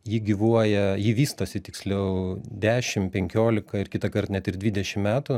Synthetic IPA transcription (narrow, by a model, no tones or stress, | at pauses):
jiːɡʲɪʋuɔjɛjiːʋʲiːst̪oːsʲɪt̪ʲɪksʲlʲɛʊd̪ʲæːʃʲɪmpʲɛŋʲkʲoːlʲɪkɐɪɾkʲɪt̪ɐkɐrt̪nʲɛt̪ɪɾd̪ʲʋʲiːd̪ʲɛʃʲɪmmʲæːt̪ʊ